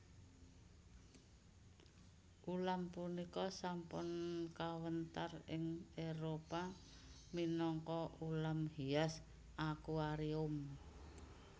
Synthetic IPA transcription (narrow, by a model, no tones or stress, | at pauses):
ʔulampunikɔsampʊnkawənt̪arɪŋeɾopa | minɔŋkɔulamhias | ʔakuaɾiʊm